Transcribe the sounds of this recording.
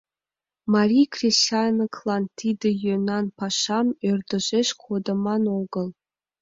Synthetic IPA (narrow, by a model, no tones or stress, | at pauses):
mɑrʲijkrʲiɕt͡ɕɑnɤkʰlˠɑnt̪ʲʰid̪ʲɘ̆jønɑnpɑʃɑmørʲd̪ɘ̆ʒeɕkʰod̪ɤ̆mɑnoɡɤ̆lˠ